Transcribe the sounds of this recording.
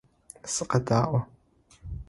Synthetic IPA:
sɨqɐdaːʔʷɔ

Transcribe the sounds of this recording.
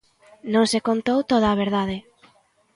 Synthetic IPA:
nõŋsekont̪owt̪oð̞aːβeɾðaðɪ

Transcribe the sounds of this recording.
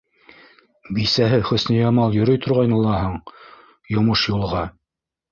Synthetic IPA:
bisæɦɘχɵ̆snɘjɑmɑlˠjɵ̆ɾɵjt̪ʰŏɾʁɑjnɤ̆lˠɑɦɤɴ | jŏmɤʃjulˠʁɑ

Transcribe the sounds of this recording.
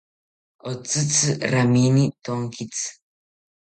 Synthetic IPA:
ɔt͡sɨt͡sɨraminit̪oŋkit͡sʼ

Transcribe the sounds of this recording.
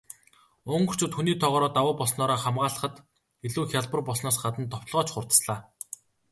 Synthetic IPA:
ʊŋɢɵ̥̆t͡ɕʰuːt̪xuniːt̪ʰɔʁɔːɾɔːt̪awʊːpɔsnɔːɾaːχamɢaːɮə̆χə̆t̪ | eɮuːxʲaɮpə̆rpɔsnɔːsɢat̪ə̆nt̪ɔwt̪̆ɮʁɔːt͡ɕχʊrt̪ə̥̆sɮaː

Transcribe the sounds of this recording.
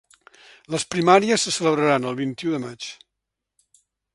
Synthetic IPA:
ləspɾimaɾiəsːəsələβɾəɾanəlˠβ̞int̪iuðəmat͡ʃ

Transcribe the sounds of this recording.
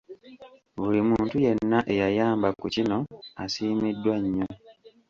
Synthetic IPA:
βulimuːntuje̞nːaʔe̞jajaːmbakucino̞asiːmidːwaɲːo̞

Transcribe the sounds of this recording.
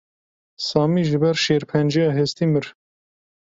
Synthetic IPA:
sɑːmiʒlɨbɛɾʃeːɾpʰɛnd͡ʒɛjɑːɦest̪imɨɾ

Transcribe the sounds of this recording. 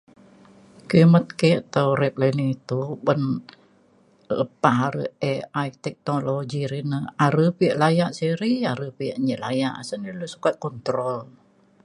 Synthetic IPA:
kimət̪̚keʔat̪auɾɛp̚lainiit̪ubən | lə̰paɦaɾə̰ɛajt̪ɛk̚noloɡiɾinəaɾəpiəʔlajaʔsəɾiaɾəpiəʔɲəlaja̰ʔsənəlusu̥kat̪̚kɔnt̪ɾɔl

